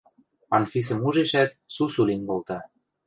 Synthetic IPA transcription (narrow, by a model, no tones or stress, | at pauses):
ɑnfis̬ə̆muʒeʃæt̪̚susulinkolt̪ɑ